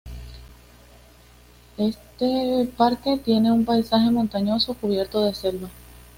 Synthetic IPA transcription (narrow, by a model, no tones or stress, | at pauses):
e̞st̪epaɾke̞t̪je̞ne̞umpajsaxe̞mõ̞nt̪aɲo̞so̞kuβje̞ɾt̪o̞ðe̞se̞lβa